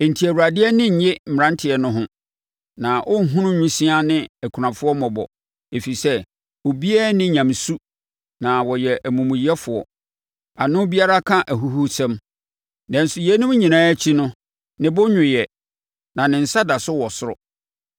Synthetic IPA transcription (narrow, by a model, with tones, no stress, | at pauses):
n̩˨tʰi˨æ˨wu˨ɾa˨dɪ˦ɛ˦nɪ̃˦ɲ̩˨ɲɛ˦m̩˨m˨ɾã˦ntʰɪ˨ɛ˨nʊ̃˦ɦʊ̃˦ | nã˨ʔɔ˦n̩˦ɦũ˦nʊ̃˦ɲʊ̃˦sĩ˦a˦nɪ̃˦æ˨kʰu˨ɾã˨fʊ˦ɔ˦mɔ̃˨bɔ̰˨ | e˨fi˨sɛ˦ | o˨bi˦ɛː˦nɪ̃˦ɲã˨msu˦ | nã˨wɔ˨jɛ˨ʔæ˨mũ˨mʊ̃˨jɛ˦fʊ˨ɔ̰˨ | a˨nʊ̃˦bi˦a˦ɾa˦kʰã˦ʔæ˨ɦu˦ɦu˦sɛ̃˦m | nɛ̃˨n̩˦sʊ˨jɛ˨˦nʊ̃˦m˦ɲĩ˨nãː˦æ˦t͡ɕʰi˦nʊ̃˦ | nɪ̃˨bʊ˦ɲʊ̃˨jɛ˨ | nã˨nɪ̃˨n̩˨sa˦da˨sʊ˦wɔ˨sʊ˦ɾɔ̰˨